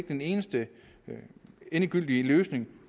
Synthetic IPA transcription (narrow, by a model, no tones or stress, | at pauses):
ɡ̥̚d̥ene̝ːnəsd̥ə | enəɡ̥yl̰d̥iəløːsne̝ŋ